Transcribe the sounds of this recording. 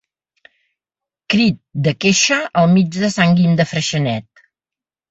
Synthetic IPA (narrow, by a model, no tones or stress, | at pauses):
kɾit̪̚d̪əkeʃəʔəlˠmid͡ʒðəsaŋɡimd̪əfɾəʃənɛt̪̚